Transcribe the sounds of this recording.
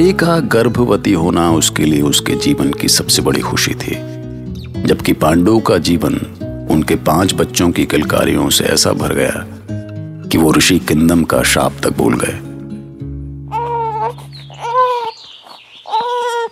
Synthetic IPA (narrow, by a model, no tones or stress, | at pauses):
eːkaɡɐɾbʱʋət̪iɦoːnaʊskelieʊsked͡ʒiːʋənkisɐbsebɐɽ̤ḭxʊʃḭt̪ʰḭː | d͡ʒɐbkipãːɳɖõkad͡ʒiːʋənʊnkepãːt͡ʃbɐtːʃõkikɪlka̰ːɾḭjõsḛɛ̰ːsa̰bʱɐɾɡɐja̰ | kiʋoɾʊʃikɪ̃nd̪əmka̰ʃa̰ːp̚t̪ɐk̚bo̰ːlɡɐ̰ḛː